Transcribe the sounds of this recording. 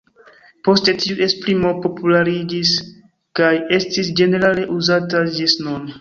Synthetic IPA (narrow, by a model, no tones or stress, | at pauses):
po̞ste̞tiuʔe̞spɾimopo̞pulaɾid͡ʒis | kaje̞stisd͡ʒe̞ne̞ɾale̞ʔuzatad͡ʒesnon